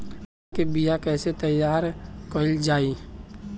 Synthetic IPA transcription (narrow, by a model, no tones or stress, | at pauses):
kebijakɛːset̪ɐjːaːɾkoːɪld͡ʒaːi